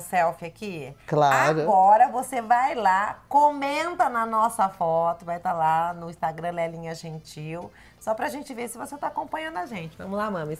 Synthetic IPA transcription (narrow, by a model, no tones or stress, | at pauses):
sɛwfɪakiklaaɾʊɡɔɾɐvosevajlakõmẽnt̪ɐnɐnɔsɐfɔt̪ʊvajt̪alanʊĩst̪aɡɾɐ̃lɛlĩɲɐʒẽnt͡ʃiw | sɔpɾɐʒẽnt͡ʃɪveɾsɪvoset̪aːkõpɐ̃ɲ̃ɐ̃d̪ʊaʒẽnt͡ʃɪvɐ̰̃mʊzlamɐ̃m